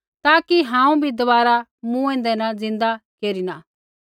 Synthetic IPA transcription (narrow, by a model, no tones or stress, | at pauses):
t̪aːkiɦãːũbʱid̪ɐbaːɾamũɛ̃ːnd̪ɛnad͡zɪ̃nd̪akeːɾina